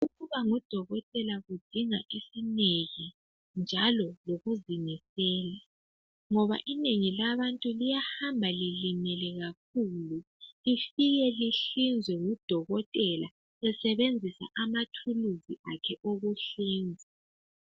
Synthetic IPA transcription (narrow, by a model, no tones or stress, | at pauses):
uɣuβaŋud̥ʱɔɣɔtʼɛlaɣud̥ʱiŋaʔisineɣi | nd͡ʒʱalɔloɣuziŋisɛːla | ŋɔβa̰ʔineŋilaβantʼulijahambʱalilimɛlɛɣak̚ʰuːlu | lifiɣɛliɬind͡zʱwɛŋud̥ʱɔɣɔtʼɛla̰ | ɛsɛβend͡zʱisa̰ʔamatʰuluziʔakʰɛʔoɣuɬiːnd͡zʱi